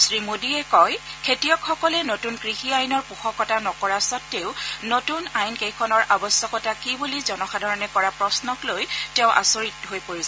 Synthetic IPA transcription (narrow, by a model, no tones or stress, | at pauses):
sɹimodiɛkɔjkʰetijɔkxɔkɔlɛnotunkɹixiajnɔɹpuxɔkːɔtanɔkɔɹasɔtːeʊnotunajnkejkʰɔnɔɹʔabɔsjɔkɔtakibulizɔnɔxadʱaɹɔnɛkɔɹapɹɔsnɔklojtɛʊ̃ʔa̰soɹitɦojpoɹiza